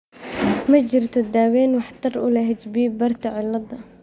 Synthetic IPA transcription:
mad͡ʒɾt̪ʊd̪ːaːweːnwaħḁt̪ˤːɑrˤʔṵlahɪd͡ʒbiːbɑɾˤt̪aʕɪlːɑd̪ˤːɑ

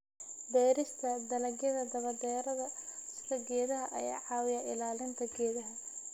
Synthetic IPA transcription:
b̪ɛːɾɪst̪ʰɐd̪ɐlɐɡjɐðɐd̪ɐβɐd̪ɛːɾɐðɐskɐɡɛːðɐɦɐʔɐ̰ja̰ːʕɑːwɪjɐʔɪlaːlɪnt̪ʰɐɡɛːðɐɦɐ

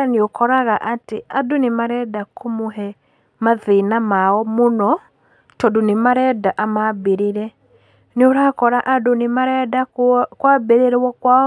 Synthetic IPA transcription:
aniokɔɾaɣaʔatiadunimaɾɛdakʰomuɦɛ | maðinamaɔmonɔ | tɔdunimaɾɛdaʔamabeɾiɾɛ | nioɾakɔɾaʔadunimaɾɛdakwabeɾeɾwɔkwa

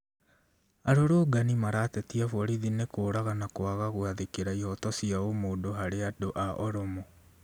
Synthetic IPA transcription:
aɾoɾoːɡanimaɾaːtɛtiafɔɾiðinekoːɾaɣanakoaɣaɣwaðekeɾaihɔtɔsiaomoːdoɦaɾeadoʔaʔɔɾomo

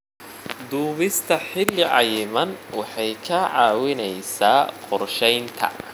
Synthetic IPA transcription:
d̪uːβɪst̪ʰɐħɪlːɪʕɑjmɐnwɑħɑjkʰɐʕɑːwɪnɛjsaːqɔrʃɛjnt̪ʰɐ̰

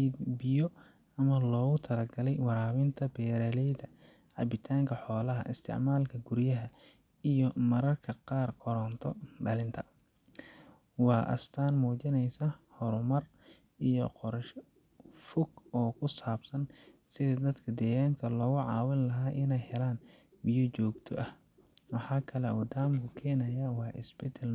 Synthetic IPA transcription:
ibɪjɔɐmɐlɔːɣʊt̪ʰɐlɐɡɐlɛjwɑɾaːwɪnt̪ʰɐbɛːɾɐlɛjd̪ɐʕɑ̰bɪt̪ʰaːŋkʰɐħɔːlɐɦɐʔɪst̪ʰɪ̰ʕmaːlkʰɐɡʊrjɐɦɐijɔmɐɾɐrkʰɐqɑːrkʰɔɾɔnt̪ʰɔbɐlɪnt̪ʰɐ | wɑːʔɐ̰st̪ʰaːnmuːt͡ʃɪnɛjsɐhɔɾʊmɐrʔijɔ̰qɔɾʃ | fʊɡɔːkʰʊsaːbsɐnsɪðɐd̪ɐd̪kʰɐd̪ɛːɣaːŋkʰɐlɔːɣʊʕɑːwɪnlɐɦaːʔɪnɛjhɛlaːnbijɐt͡ʃɔːɡt̪ʰɔ̰ʔɐhmɐħɑːkʰɐlɛʔɔːd̪aːmkʰʊkʰɛːnɐjɐwɑːʔɪ̰sbɛd̪ɛl

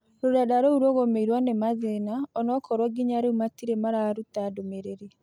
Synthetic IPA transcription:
ɾodadaɾouɾwɔɣomeiɾwanemaðenaɔnɔkʰɔɾwɔɡiɲaɾeumatiɾemaɾaːɾutadomeɾeɾe

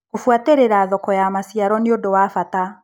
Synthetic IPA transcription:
kofwateɾeɾaːðɔkɔjamasiaɾɔneodowafata

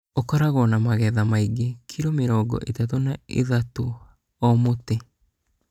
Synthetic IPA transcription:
okɔɾaɣɔnamaɣɛðamaiɡekʰiɾomeɾɔːɡɔ̰ʔetatonaḛðato | ɔmote

